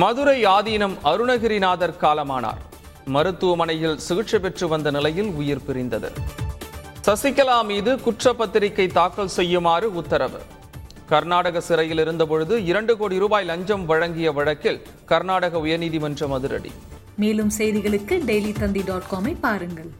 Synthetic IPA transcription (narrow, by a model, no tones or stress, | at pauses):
mɐðɯɾɐɪaːðiːnɐmɐɾɯnɐɣɪɾinaːðɐɾkaːlɐma̰ːna̰ːɾ | mɐɾɯt̪ːɯʋɐmɐnɐjɪlsɪɣɯʈʂɐpɛʈrɯʋɐnd̪ɐnɪlɐjɪlʊjɪɾpɪɾɪnd̪ɐðɯ̰ | sɐsɪkːɐlaːmiːðɯkʊʈrɐpːɐt̪ːɪɾɪkːɐɪt̪ːaːkːɐlsɛjːɯmaːrɯʊt̪ːɐɾɐʋɯ̰ | kɐɾnaːɽɐɣɐsɪɾɐjɪlɪɾɯnd̪ɐp̬ɔɻɯðɯɪɾɐɳɖɯkoːɽiɾuːbaːjlɐɲd͡ʒɐmʋɐɻɐŋɡɪjɐʋɐɻɐkːɪl | kɐɾnaːɽɐɣɐʊjɐniːðimɐndrɐmɐðɯɾɐ̰ɽḭ | meːlɯmsɛjðɪɣɐɭɯkːɯɖɛjliːt̪ɐnd̪iɖaːʈkoːmɐɪpːaːɾɯŋɡɐɭ